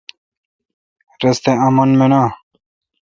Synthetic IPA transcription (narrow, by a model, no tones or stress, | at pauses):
ɾɐst̪eɐmɐnmenaː